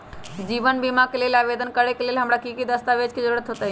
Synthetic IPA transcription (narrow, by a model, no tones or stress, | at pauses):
d͡ʒiːʋənbimakeleːlaːʋeːd̪ənkəɽekeleːlɦɐmɽakikid̪əst̪aʋeːd͡ʒkid͡ʒəɾuːɾət̪ɦoːt̪aɦi